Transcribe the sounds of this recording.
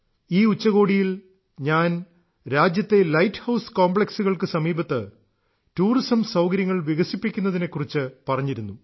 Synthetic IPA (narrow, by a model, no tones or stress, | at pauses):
iːut͡ɕːɐɣo̞ːɽijil | ɲaːn | ɾaːd͡ʑjɐt̪ːe̞lɐjtːhɐwskoːmbɭe̞ksuɣɐɭkɨsɐmiːbɐt̪ːɨ | tuːrisɐmsɐwkɐɾjɐŋːɐɭʋiɣɐsipːikʲːunːɐðine̞kːurit͡ɕːɨpɐrɐɲːiɾunːu